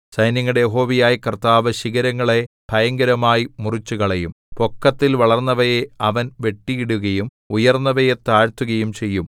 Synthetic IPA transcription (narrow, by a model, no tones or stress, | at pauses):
sɐjnjɐŋːɐɽejeɦo̞ːʋijaːjikɐrt̪aːʋɐɕiɣɐɾɐŋːɐɭe̞b̥ʱɐjɐŋɡɐɾɐmaːjimurit͡ɕːuɣɐɭejum | po̞kːɐt̪ːilʋɐɭɐrnːɐʋɐjeɐʋɐnʋe̞ʈːijiɽuɣɐjum | ujɐrnːɐʋɐjet̪aːɻt̪uɣɐjumt͡ɕe̞jːum